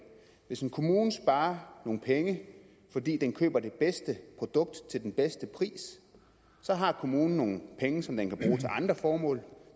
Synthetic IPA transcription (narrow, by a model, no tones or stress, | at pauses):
ʋe̝senkʰo̝muːn̩sb̥ɑ̈ːɐno̝ːn̩pʰeŋə | fɒ̽d̥ḭːd̥enkʰø̰ːb̥ɐd̥e̝b̥esd̥əpʰʁo̝d̥ɔ̽ɡ̥̚d̥t͡sʰe̝ld̥enb̥esd̥əpʰʁḭːs | sɒ̽ɦɑ̈kʰo̝muːn̩ːo̝ːn̩pʰeŋəsɒ̽md̥enkʰæb̥ʁuːt͡sʰe̝lʔɑ̈nd̥ʁɐfɒːmɔ̰̽ːl